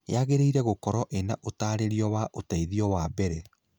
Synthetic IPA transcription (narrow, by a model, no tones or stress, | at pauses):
jaɣeɾeiɾɛɣokɔɾɔʔenaʔotaːɾeɾiɔwaʔotaiðiɔwabɛɾɛ